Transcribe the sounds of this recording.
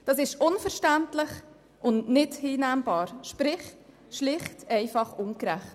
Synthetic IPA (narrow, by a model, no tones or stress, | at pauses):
d̥ɑs̬ɪʃʊnfəɾʃtæntlɪχ | ʔʊnnɪdhiːnæːmbɑːɾʃpɾɪχ | ʃlɪχtɛɪfɑχʊŋkɾæχt